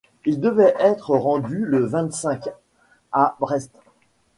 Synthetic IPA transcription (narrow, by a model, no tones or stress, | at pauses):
ild̪əvɛʔɛt̪χəʁɑ̃d̪yləvɛ̃t̪sɛ̃k | abʁɛst̪